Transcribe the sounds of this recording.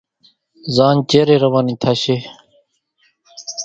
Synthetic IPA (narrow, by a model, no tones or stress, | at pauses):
zaːnt͡ɕeːɾeɾɐwaːnit̪ʰɐɕe